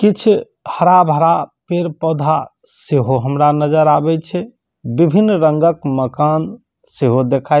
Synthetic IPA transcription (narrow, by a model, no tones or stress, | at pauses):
kit͡ʃʰ | həɾabʱəɾapeɾpɔd̪ʱa | seɦoɦəmɾanəd͡ʒəɾabɛt͡ʃʰɛ | bibʱinːɾəŋɡəkməkan | seɦod̪ekʰaj